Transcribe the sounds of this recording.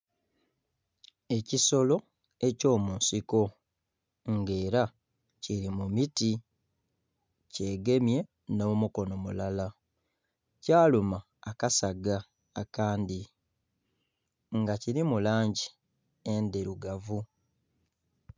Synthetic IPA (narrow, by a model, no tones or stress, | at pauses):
e̞ciso̞lo̞ | e̞co̞ːmuːnsiko̞ | ŋɡe̞ːɾa | ciɾimumiti | ce̞ːɡe̞mje̞ | no̞ːmuko̞no̞mṵlala | caːlumaːkasaɡaː | kaːndi | ŋɡaciɾimulaːɲɟi | endeɾuɡavu